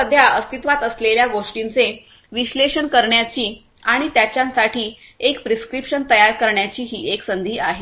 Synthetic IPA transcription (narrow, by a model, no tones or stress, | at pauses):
əd̪ʱjaəst̪it̪ʋat̪əsleljaɡoʂʈint͡se | ʋiɕleʂənkəɾɳjat͡ɕiː | aɽ̃it̪jat͡ɕjãnsaʈʰiːekpɾiskɾipʂənt̪əjaɾkəɾɳjat͡ɕiːɦiːʔeksənd̪ʱiːaɦe